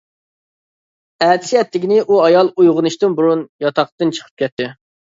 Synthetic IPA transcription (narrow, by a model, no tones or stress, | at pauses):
ɛːt̪ʰɪ̥sjɛt̪ʰːɪɡʲinɪʔuɑjɑlˠujʁʊnɨʃt̪ɨnbuɾunjɑt̪ʰɑqt̪ɨnt͡ʃʰə̥qʰə̥p̚kʲɛt̪ʰːɪ